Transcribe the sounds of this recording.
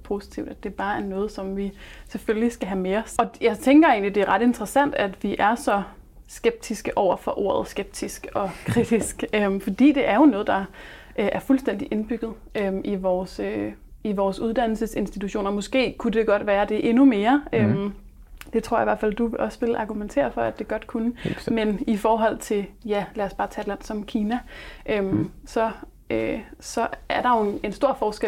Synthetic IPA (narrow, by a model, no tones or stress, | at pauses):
pʰo̝si̥t͡sʰiʊd̥æd̥e̝b̥ɑ̈ːæɐnɔ̽ːð̞̩ˠsɒ̽mʋiseføllisɡ̥æɦæmeːɒsɒ̽jɑ̈ɪt͡sʰeŋɡ̥ɐe̝ːnlid̥e̝æɐʁɑ̈d̥e̝nd̥ʁəsæn̰d̥æd̥ʋiʔæɐsɒ̽ | sɡ̥eb̥̚d̥ʰisɡ̥əʔɒʊ̰ɐfɒ̽ʔo̝ɐ̰ð̞̩ˠsɡ̥eb̥̚d̥ʰisɡ̥ɒ̽kʰʁid̥isɡ̥ømfɒ̽d̥ḭːd̥e̝ʔæɐjo̝nɔ̽ːð̞̩ˠd̥ɑ̈ | ʔøʔæɐfulsd̥en̰d̥iʔe̝nb̥yɡ̥ð̞̩ˠ | ømʔiʋɒːsø | iʋɒːsuð̞ˠd̥æn̰l̩səse̝nsd̥it͡sʰuɕo̝̰ːnɐmɔ̽sɡ̥e̝̰ːkʰud̥e̝ɡ̥ɒ̽d̥ʋæːɐd̥e̝ʔe̝nume̝ːɐøm | d̥e̝t͡sʰʁo̝ɐ̰jiʋæɐ̰fæl̰d̥uʔɒ̽sʋe̝lʔɑ̈ɡ̥ument͡sʰe̝̰ːɐfɒ̽æd̥e̝ɡ̥ɒ̽d̥kʰunəmenifɒːɦɒ̽l̰t͡sʰe̝ljælæɐsb̥ɑ̈ːt͡sʰɛːd̥læn̰sɒ̽mkʰiːnæʔømsɒ̽ | ʔøsɒ̽æɐɾ̥ɑ̈jo̝e̝nsd̥o̝ɐ̰fɒːsɡ̥e